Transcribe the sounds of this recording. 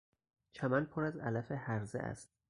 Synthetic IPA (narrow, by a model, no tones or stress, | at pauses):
t͡ʃʰæmænpʰoɾæzæ̰læfehæɾzḛʔæ̰st̪